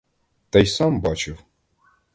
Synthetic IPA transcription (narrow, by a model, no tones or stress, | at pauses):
t̪ajsambɑt͡ʃɪw